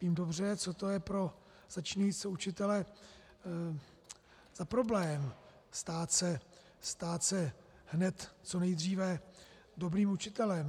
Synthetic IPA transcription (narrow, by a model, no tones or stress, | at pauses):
viːmdo̞br̝ɛt͡so̞t̪o̞jɛpɾo̞ | z̥at͡ʃɲɛjisɛut͡ʃɪt̪ɛlɛ | z̥apɾo̞blɛːm | st̪aːt̪sɛ | st̪aːt̪sɛ | hnɛt̪ːt͡so̞nɛjd̪r̝iːvɛ | do̞bɾiːmut͡ʃɪt̪ɛlɛm